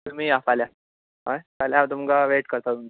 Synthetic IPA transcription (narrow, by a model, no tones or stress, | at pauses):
t̪um̤iːafalja | ɦajkaljaʋt̪̬umkaʋeʈkəɾt̪at̪umt̪a